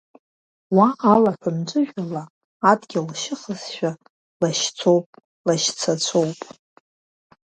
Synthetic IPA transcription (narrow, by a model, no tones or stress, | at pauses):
waʔalaħʷᶣamd͡ʒʷʼɨʒᶣalaː | dɡʲɪlʃɪχəzʃᶣa | laʃt͡sʰo̞wpʼ | laʃt͡sʰat͡sʷʰo̞wpʼ